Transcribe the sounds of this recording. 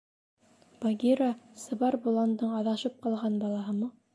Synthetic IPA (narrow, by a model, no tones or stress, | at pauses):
b̥aɡʲiɾasɤ̆βɑɾbulˠɑnd̪ɤɴɑðɑʃɤp̚qɑlˠʁɑnbɑlˠɑɦɤmɤ